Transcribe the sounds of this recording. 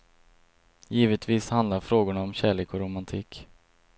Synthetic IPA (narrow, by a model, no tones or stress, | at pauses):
jiːvət̪viːshand̪laɾfɾoːɡʊɳaɔmɕæːɭeːkɔɾʊmant̪ʰiːk